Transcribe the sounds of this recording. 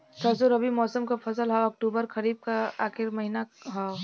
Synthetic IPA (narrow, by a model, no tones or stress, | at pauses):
t̪ʰɐs̬uɾɐbʱimɔːsəmkapʰɐsəlɦɔɐk̚ʈuːbəɾkɐɾiːb̚kaaːxɪɾmɐɦinaɦa